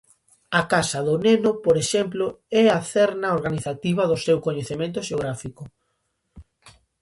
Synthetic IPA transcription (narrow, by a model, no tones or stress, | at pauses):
akasɐðʊnenʊpoɾeʃɛmplʊɛaθɛɾnaoɾɣaniθat̪iβɐðʊsewkoɲeθemẽnt̪̬ʊʃeoɣ̞ɾafikʊ